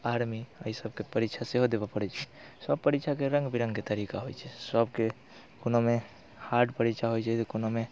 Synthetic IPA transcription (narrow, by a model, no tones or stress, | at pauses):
aɾmiəisəbkepəɾikt͡ʃʰaseɦod̪ebapəɾɛt͡ʃʰɛsəb̚pəɾikt͡ʃʰakeɾə̃ŋɡbiɾə̃ŋɡket̪əɾikaɦojt͡ʃʰɛsəbke | konome | haɾɖpəɾikt͡ʃʰaɦojt͡ʃʰɛt̪ɔkonome